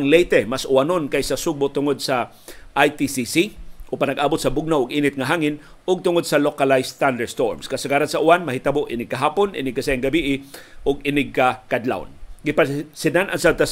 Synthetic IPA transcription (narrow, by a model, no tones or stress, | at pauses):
ŋlɛjt̪ɛmasʔʊanonkajsɐsuɡ̚bʊt̪ʊŋod̪̚sɐ | ʔajt̪isisiʔʊpanɐɡʔaːbot̪sɐbʊɡ̚naʔʊɡʔiːnɪt̪̚ŋɐɦaːŋɪn | ʊɡ̚t̪ʊŋod̪̚sɐlokalajst̪and̪ɛɹst̪oɹmskɐsɐɡaːɾansɐʔʊanmɐɦɪt̪ɐboʔɪnɪɡ̚kɐɦaːponʔɪ̰nɪɡ̚kɐsaɪŋɡɐbiʔɪʔʊɡɪnɪɡ̚kakad̪la̰wnɡɪpasɪd̪anɐŋsab̪̚t̪a